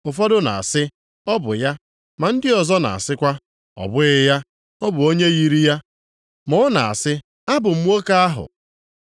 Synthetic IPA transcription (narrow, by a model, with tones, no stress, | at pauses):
ʊ˨fɔ˦dʊ˦na̰˨a̰˨sɪ˦ | ɔ˦bʊ̰˨ja˦ | ma˨n̩˦dɪ˦ɔ˨zɔ˦na̰˨a̰˨sɪ˦kʷa˦ | ɔ̰˨bʊ˦ɪ˦ja˦ | ɔ˦bʊ˨o˦ɲe˦ɣi˨ɾi˦ja˦ | mʊ˦ʊ˦na˨a̰˨sɪ˦ | a˦bʊ˨m̩˦o˦ka˦a˦ɦʊ̰˨